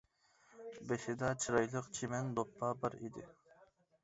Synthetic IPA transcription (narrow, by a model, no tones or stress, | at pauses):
besɪd̪ɑt͡ʃʰiɾɑjlˠəqt͡ʃʰimɛnd̪opʰːɑbəɾḭd̪ɪ